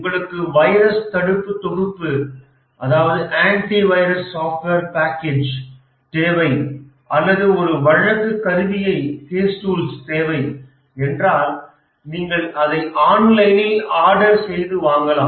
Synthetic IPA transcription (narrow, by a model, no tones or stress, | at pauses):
ŋɡɐɭɯkːɯʋɐjɾɐst̪ɐɽɯpːɯt̪ːɔɣɯpːɯ | ʔɐðaːʋɐðɯʔaːɳʈiʋɐɪɾɐsːaːfʈʋeːɾpaːkːeːd͡ʒ | t̪eːʋɐɪ | ʔɐlːɐðɯɔɾɯʋɐɻɐkːɯkːɐɾɯʋɪjɐɪheːsʈuːlst̪eːʋɐɪ | ɛndraːl | niːŋɡɐɭɐðɐɪʔaːnlɐɪnɪlaːɽɐɾsɛjðɯʋaːŋɡɐlaː